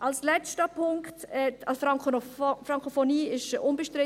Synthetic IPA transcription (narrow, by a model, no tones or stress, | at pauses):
ʔalslɛstəpʰʊŋktɛa | fɾaŋkofoniːɪʃʔʊnbəʃtɾɪ